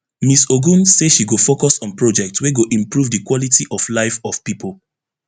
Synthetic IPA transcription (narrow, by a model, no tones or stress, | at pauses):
misoɡũnseʃiɡofokɔsɔ̃npɹɔd͡ʒɛk̚tsweɡoʔĩmpɹuvdikwɔlitiʔɔflaɪfɔfpipʰol